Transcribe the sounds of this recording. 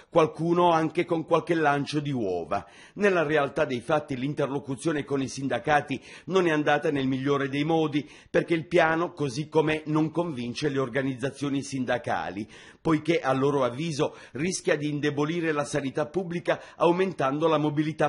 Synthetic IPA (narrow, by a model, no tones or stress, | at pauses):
kwalkuːnoaŋkekoŋkwalkelːant͡ʃod̪iwɔ̰ːva̰ | nelːarealt̪ad̪ejfat̪ːilint̪erlokut̪sːjoːnekonisind̪akaːt̪inonɛand̪aːt̪anelmiʎːoːɾed̪ejmɔːd̪i | perk̟eilpjaːnokozikːomenoŋkoɱvint͡ʃeleorɡanid̪zːat̪sːjoːnisind̪aka̰ːli | pojkeʔalːoːɾoavːiːzo | riskʲjad̪iːnd̪eboliːɾelasanit̪apːubːlikaawment̪and̪olamobilit̪a